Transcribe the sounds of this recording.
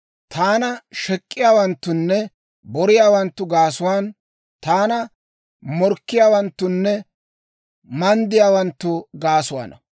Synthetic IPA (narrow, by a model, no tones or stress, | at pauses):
t̪aːnɐʃɛkʼːɪjaːwɐnt̪ːʊnːɛ | bɔɾɪjaːwɐnt̪ːʊɡaːsʊwaːn | t̪aːnɐ | mɔɾkːɪjaːwɐnt̪ːʊnːɛ | mɐnd̪ɪjaːwɐnt̪ːʊɡaːsʊwa̰ːnɐ̰